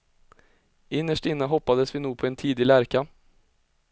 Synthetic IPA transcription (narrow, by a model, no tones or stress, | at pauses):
ʔɪnːəʂʈɪnːəɦɔpːad̪əsvɪːnuːɡ̚pʰɔɛnt̪ʰiːd̪ɪlæɾka